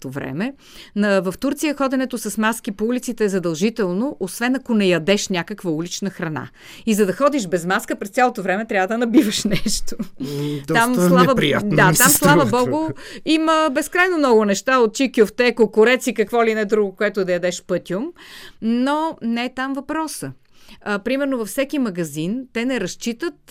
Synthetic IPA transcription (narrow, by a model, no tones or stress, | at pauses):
t̪ovɾɛ̰mɛ | nɐvɐft̪uɾt̪sijəxɔd̪ɛnɛt̪osɐsmaskipoulit̪sit̪ɛːzɐd̪ɐlˠʒit̪ɛlˠnoʔosvɛnɐkonɛjɐd̪ɛʃnʲakəkvəulit͡ʃnəxɾɐna̰ | izɐd̪ɐxɔd̪iʃbɛzmaskəpɾɛst̪sʲalˠot̪ovɾɛmɛt̪ɾʲavəd̪ɐnɐbivəʃnɛʃt̪od̪t̪amslˠavəpɾiatd̪at̪amslˠavəbɔɡʊiməbɛskɾajnomnɔɡʊnɛʃt̪aot̪̚t͡ʃikʲjʊft̪ɛkokʊɾɛt̪sikɐkvɔlinɛd̪ɾuɡʊkoɛt̪ʊd̪ɐjɐd̪ɛʃpɤt̪ʲiʊmnonɛt̪amvɐpɾɔsə | pɾimɛɾnovɐfsɛkimɐɡɐzint̪ɛnɛɾɐʃt͡ʃit̪ət̪